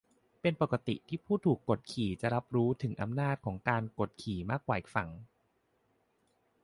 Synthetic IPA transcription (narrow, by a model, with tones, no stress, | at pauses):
pe˧npo˨˩ka˧t̪ḭ˨˩ʔt̪ʰiː˥˩pʰuː˥˩t̪ʰuː˨˩kːo˨˩t̪̚kʰiː˨˩t͡ɕa˨˩ɾa˦˥p̚ɾuː˦˥t̪ʰɯ˩˦ŋʔa˧mnaː˥˩t̪̚kʰɔː˩˦ŋkaː˧nko˨˩t̪̚kʰiː˨˩maː˥˩kːwaː˨˩ʔi˨˩fa˩˦ŋ